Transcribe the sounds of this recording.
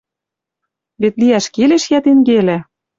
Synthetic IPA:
βet̪liæʃkeleʃjæt̪eŋɡelæ̆

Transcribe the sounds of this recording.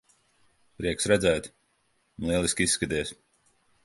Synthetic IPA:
pɾiɛksɾɛd̪zæːt̪ | nlˠiɛlˠiskʲisːkad̪iɛs

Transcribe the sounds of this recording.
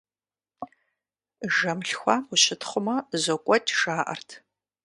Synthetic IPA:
ʒɐmɬxʷaːʊɕɪtʰχʷʊmɐzɐkʷʼɔtʰʼʒaːʔɐ̰rtʰ

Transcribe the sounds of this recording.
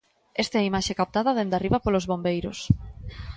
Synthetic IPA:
est̪aɛimaʃekap̚t̪aðɐðend̪ariβɐpolozβombejɾos

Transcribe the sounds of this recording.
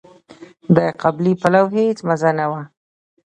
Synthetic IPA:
d̪aqablipalawɦet͡smazanawa

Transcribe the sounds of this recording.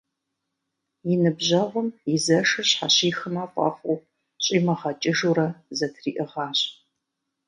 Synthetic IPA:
jɪnɨbʑɐʁʷʊmjɪzɐʂɨrɕħaɕiːxɨmaːqʷʼɑ̰fʷʼʊ | ɕʼiːmɐʁɐt͡ʃʼɪʒuɾɐzɐtʰriːʔɨʁɑːɕʼ

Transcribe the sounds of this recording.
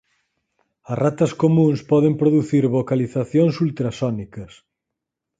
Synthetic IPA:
ɐsrʔat̪ɐskomũŋspɔðempɾoðuθiɾβokaliθaθjoŋsult̪ɾɐsɔnikɐs

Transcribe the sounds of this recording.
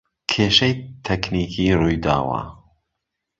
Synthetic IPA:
kʰeːʃɐjt̪ʰɛkniːkʰiːɾuːjd̪a̰ːwa̰ː

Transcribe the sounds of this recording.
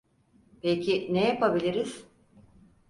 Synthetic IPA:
pejcʰinejapabilʲiɾiz̥

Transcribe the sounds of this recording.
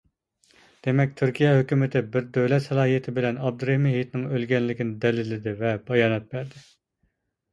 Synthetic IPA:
d̪̥emɛk̚ʲt̪ʰyɾkʲijɛɦøkʲymɪt̪ʰɪbɪɾd̪øwlɛt̪sɨlˠɑːɦijet̪ʰɪbɪlɛnɑb̚d̪ɨɾemiɦijt̪nɪŋølɡʲɛnlɪkʲinɪd̪ɛlɪlɪd̪ɪvɛbɑjɑːnɛt̪̚bæɾd̪ɪ

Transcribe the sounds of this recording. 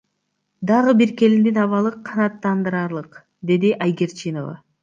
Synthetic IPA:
d̪ɑʁɯbiɾke̞lind̪inɑβɑlˠɯqʰɑnɑt̪ːɑnd̪ɯɾɑɾlˠɯq | d̪e̞d̪iʔɑjɡʲe̞ɾt͡ʃʰino̞vɑ̰

